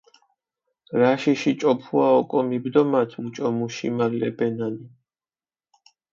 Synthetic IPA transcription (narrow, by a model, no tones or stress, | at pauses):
ɾaʃiʃit͡ʃʼɔpʰuaɔkʼɔmibd̪ɔmat̪ʰmut͡ʃʼɔmuʃḭmalɛ̰bɛnani